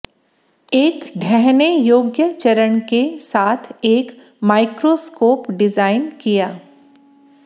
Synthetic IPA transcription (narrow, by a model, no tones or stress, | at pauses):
eːkɖʱɛɦnejoːɡjət͡ʃəɾəɽ̃kesaːt̪ʰeːk | maːɪkɾoskoːpɖɪzaːɪnkijaː